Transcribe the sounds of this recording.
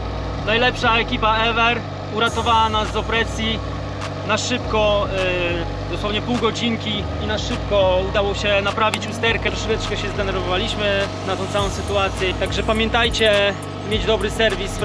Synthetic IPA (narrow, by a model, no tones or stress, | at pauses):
najlɛpʂaɛkʲipaɛvɛɾ | uɾat̪ɔvawanazd̪ɔpɾɛsʲji | naʂɘpkɔ | d̪ɔswɔvɲɛpuwɡɔd͡ʑiŋkʲi | inaʂɘp̚kɔud̪awɔɕɛnapɾavʲit͡ɕust̪ɛɾkɛɾɔʂɛvɛt̪ʂkɔɕɛzd̪ɛnɛɾvɔvalʲiɕmɘnat̪ɔ̃wt̪sawɔ̃w̃sɘt̪uat̪sʲjɛt̪aɡʐɛpamʲjɛnt̪ajt͡ɕɛ | mjed͡ʑd̪ɔbɾɘsɛɾvʲis